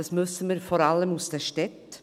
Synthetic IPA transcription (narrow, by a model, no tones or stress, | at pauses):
asmʏsənmiɾfɔːɾaləmusd̥ɛʃtɛt